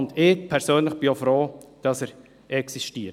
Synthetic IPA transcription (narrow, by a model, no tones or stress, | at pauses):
ndɪpʰɛɾsøːnləχb̥ɪofɾoːd̥ɑsəɾ | ɛksiʃtiː